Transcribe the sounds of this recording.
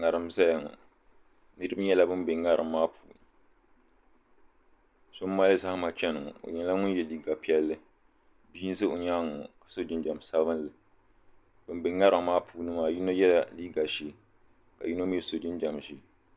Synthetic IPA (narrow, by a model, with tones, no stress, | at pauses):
ŋa˨ɾɨ˨m˦za˦ja˨ŋɔ̰˨ | nɨ˦ɾɨ˦bɲɛ˦la˦bɨ˦mbɪ˨ŋa˦ɾɨ˨mːaː˦puː˨˦ | so˦mː˦a˦lɨ˦za˦hma˨t͡ʃɛ˦nɨ˨ŋɔ˨o̰˨ɲɛ˦la˦ŋʊ˦n˦jɛ˨liː˦ɡa˨pi˦ɛ˦lːɨ˦ | biː˦n˦zɨ˦o˨ɲaː˦ŋʊ˨kḁ˨so˦d͡ʒɪ˦nd͡ʒa˨m˨sa˦bɨ˦nlɨ˨ | b̥ɨ˨mbɪ˨ŋa˦ɾɨ˨˦maː˦pʰuː˦nɨ˦maː˨ji˦no˦jɛ˦la˨liː˦ɡa˨ʃe˦ | ka˨ji˦no˦m˦ɛ˦so˨d͡ʒɪ˦nd͡ʒa˨m˨ʃi˦